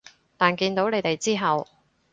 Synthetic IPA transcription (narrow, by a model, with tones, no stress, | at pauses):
t̪aː˨nkiː˧nt̪o˨˥wne˨˧jt̪e˨jt͡siː˥ɦɐ˨˩w